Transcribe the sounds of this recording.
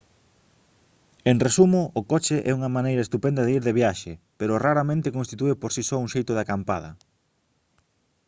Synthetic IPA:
eŋresumʊʔːkɔt͡ʃeʔɛ̰uŋɐmanejɾaɐest̪upend̪ɐðeiɾðeβjaʃepeɾʊraɾamẽnt̪ɪkonst̪it̪uepoɾsisɔuŋʃejt̪ʊðɪakampaðɐ

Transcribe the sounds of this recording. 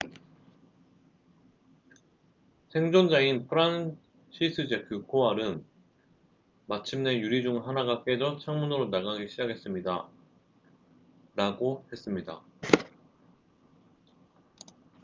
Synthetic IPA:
sʰe̞ŋd͡ʑʌnd͡ʑainpʰɯɾan | ɕʰisʰɯd͡ʑekjukʰoaɾɯn | mat͡ɕʰimne̞juɾid͡ʑuŋɯɭɦanaɡak͈e̞d͡ʑʌt͡ɕʰaŋmunɯɾonaɡaɡiɕʰid͡ʑaɡʰe̞s͈ɯmɲida | ɾaɡohe̞s͈ɯmɲida̰

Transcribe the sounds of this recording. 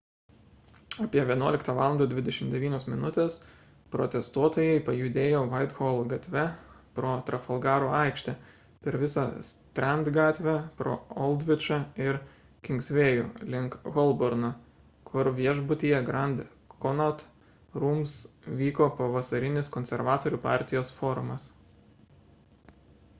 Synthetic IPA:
ɑpʲiɛʋʲiɛnuɔlʲɪkt̪ɑːʋɑːlˠɐnd̪ɐd̪ʲʋʲɪd̪ʲɛʃʲɪmd̪ʲɛʋʲiːnʲoːsmʲɪnʊt̪ʲeːs | pɾo̰t̪ʲɛst̪uɔt̪oːjɛɪpɐjʊd̪ʲeːjoːʋɐɪt̪ɣoːlˠɡɐt̪ʲʋʲɛ | pɾoːt̪ɾɐfɐlˠɡɑːɾoːɑɪkʃʲt̪ʲɛ | pʲɛɾʋʲɪsɑst̪ʲɾʲɛnd̪ɡɑːt̪ʲʋʲɛpɾo̰ːɔlˠd̪ʲʋʲɪt͡ʃɐɪɾ | kʲɪŋksʲʋʲeːjuːlʲɪŋkɣɔlˠbɔɾnɐ | kʰʊɾʋʲiɛʒbʊt̪ʲijɛɡɾɐnʲd̪ | kɔnɐt̪ | ɾuːmsʋʲiːkoːpɐʋɐsɐɾʲɪnʲɪskɔnʲsʲɛɾʋɑːt̪oːɾʲuːpɑ̰ˑɾʲt̪ʲɪjoːsfoːɾʊmɐs

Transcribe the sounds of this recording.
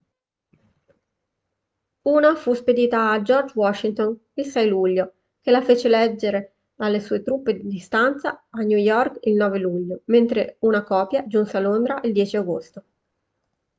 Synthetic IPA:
uːnafusped̪iːt̪aːd͡ʒɔrd͡ʒwɔʃːint̪on | ilsɛjluʎːo | kelafeːt͡ʃelɛd͡ʒːeɾe | alːesuːet̪ɾupːed̪id̪ist̪ant̪saanjujɔrkilnɔːveluʎːoment̪ɾeunakɔːpjad͡ʒunsealːond̪ɾaʔild̪jɛːt͡ʃiaɡo̰st̪o

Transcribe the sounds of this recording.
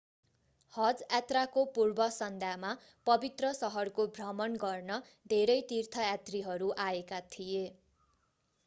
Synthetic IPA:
hʌd͡zjat̪rakopurbʌsʌnd̪ʱjama | pʌbit̪rʌsʌɦʌrkobʱrʌmʌnɡʌrnʌ | d̪ʱeɾʌjt̪irt̪ʰʌjat̪riɦʌɾuʔaekat̪ʰije

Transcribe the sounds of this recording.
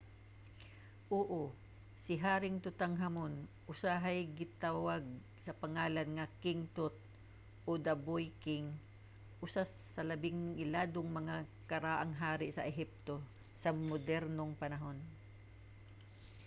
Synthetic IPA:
ʔoːʔo | sɪɦaːɾɪŋt̪ʊt̪aŋɦamonʔʊsaɦɐjɡɪt̪awaɡ̚ | sɐpɐŋaːlɐnŋɐkɪŋt̪ot̪̚ | ʔod̪ɐbojkɪŋ | ʔʊsa | sɐlɐbɪŋɪlaːd̪oŋmɐŋa | kɐɾaːʔɐŋɦaːɾɪʔsɐʔɛɦip̚t̪o̞ | sɐmod̪ɛɾnoŋpɐnɐɦo̞n

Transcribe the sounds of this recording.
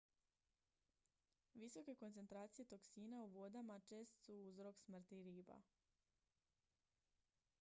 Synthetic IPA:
ʋiso̞ke̞ko̞nt̪se̞nt̪ɾaːt̪sije̞t̪o̞ksiːnauʋo̞d̪amat͡ʃe̞ːst̪suuzɾo̞ksmr̩t̪iɾiːba̰

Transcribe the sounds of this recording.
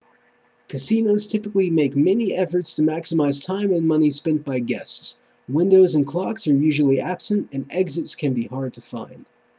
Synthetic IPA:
kʰɨsinoʊz̥tʰɪpəklimeɪkmɛniʔɛfə˞tstʰɨmæksəmaɪz̥tʰãɪ̃mɨ̃nmʌnispɛ̃n̚b̥aɪɡɛsts | wɪ̃ndoʊzɨ̃nkʰl̥ɑksə˞jʉʒl̩ˠiʔæb̥sɨ̃ntɨ̃nɛɡzɨtskʰɨ̃nbihɑɹd̚tʰəfã̰ɪ̃nd̥

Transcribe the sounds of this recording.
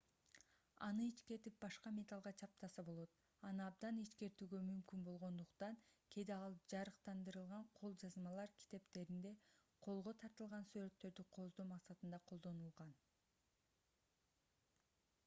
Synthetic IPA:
ɑ̰nɯit͡ʃke̞ɾt̪ip̚bɑʃqɑmʲe̞t̪ɑlˠʁɑt͡ʃʰɑp̚t̪ɑsɑbo̞lˠo̞t̪ | ɑnɯɑbd̪ɑniʃke̞ɾt̪yːɡø̞mymkynbo̞lˠʁo̞nd̪uqt̪ɑŋkʰe̞d̪eɑlˠd͡ʒɑɾɯqt̪ɑnd̪ɯɾɯlˠʁɑɴqʰo̞lˠd͡ʒɑzmɑlˠɑɾkʲʰi̥t̪e̞pt̪e̞ɾind̪e̞qʰo̞lˠʁo̞t̪ʰɑɾt̪ɯlˠʁɑnsyɾe̞t̪ːø̞ɾd̪yqʰo̞zd̪omɑqsɑt̪ɯnd̪ɑqʰo̞lˠd̪o̞nulˠʁɑn

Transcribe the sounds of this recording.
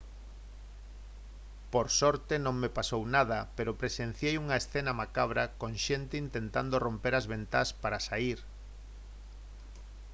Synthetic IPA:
poɾsɔɾt̪enõŋmepasownað̞ɐpeɾopɾesen̟θjejuŋɐesθenɐmakaβ̞ɾakõŋʃent̪eint̪ent̪and̪orompeɾazβent̪aspaɾasaiɾ

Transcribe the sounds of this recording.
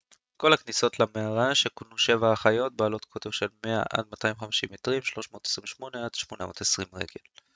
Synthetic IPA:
ko̞lhakniso̞tlameaʁaʃekonuʃe̞vaːχajo̞t̚baːlo̞tkʰo̞tevʃe̞lme̞a̰ʔa̰d̚matajmχamiʃimetʁimʃlo̞ʃmo̞ːt̪e̥sʁimveʃmo̞nead̥ʃmo̞namo̞ːtesʁimʁḛɡe̞l

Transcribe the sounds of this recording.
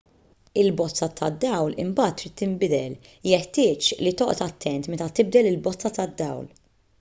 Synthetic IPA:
ɪlbɔt͡sːɐt̪ʰɐd̪ːɐwlɪ̰mbɐːt̪ːɾiːt̪ːɪmbɪd̪ɛl | jɛħt̪ɪːt͡ʃlit̪ɔʔɔt̪ɐt̪ʰːɛnt̪mɛt̪ɐt̪ɪb̚d̪ɛlɪlbɔt͡sːɐt̪ɐd̪ːɐ̰wl

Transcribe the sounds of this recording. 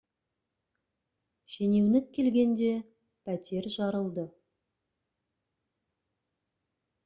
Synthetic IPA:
ʒe̞ne̞wnɪkʲʰːe̞lɡʲe̞nd̪e̞ | pʰæt̪e̞ɾʒɑɾəlˠd̪ə

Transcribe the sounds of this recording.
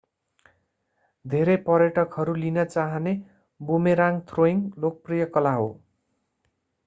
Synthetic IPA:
d̪ʱeɾepʌɾjʌʈʌkɦʌɾulinʌt͡saɦʌne | bumeɾaŋt̪ʰroiŋlok̚prijʌkʌlaɦo̰

